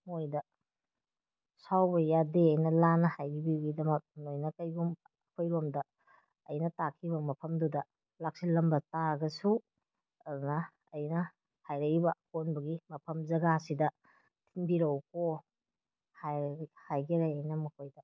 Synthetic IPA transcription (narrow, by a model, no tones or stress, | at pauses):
mojdɐ | sawbɐjadeɐjnɐlanɐhajɡibiɡidɐmɐk̚nojnɐkɐjɡum | kʰojɾomdɐ | ɐ̰jnɐtakʰibɐmɐpʰɐmdudɐ | lak̚silɐmbɐtaɡɐsu | ɐdunɐː | jnɐ | hajɾɐibɐkonbɐɡimɐpʰɐmzɐɡasidɐ | tʰinbiɾɐwko | hajhajɡiɾajajnɐmɐkʰojdɐ